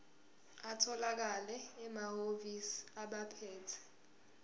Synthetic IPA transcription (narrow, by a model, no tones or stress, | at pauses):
atʰɔlak̬alɛːmahovisi̥aɓapʰɛːtʰɛ̥